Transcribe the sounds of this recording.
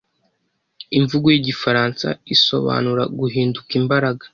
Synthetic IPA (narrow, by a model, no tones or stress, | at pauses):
iɱvuɡojiɟifaɾaːnsa̰iso̞̰βa̰ːnuɾa̰ɡuɦiːndukimbaɾaɡḁ